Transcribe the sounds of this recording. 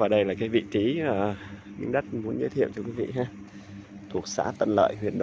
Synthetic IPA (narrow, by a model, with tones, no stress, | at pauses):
vaː˨˩ɗə˧jlaː˨˩kaː˨˦jvḭ˧˨t͡ɕi˨˦əː˨˩ | mï˧˦ŋɗə˦˥t̚mu˨˦ənzəː˨˦t̪ʰi˧˨əwt͡ɕɔ˧kwi˨˦vḭ˧˨ɦaː˧˩ | t̪ʰu˨˩ək̚sa̰ː˧˥t̪ə̰˧˨nlə̰ː˧˨jɦwḭ˨˩ənɗə̰˧˨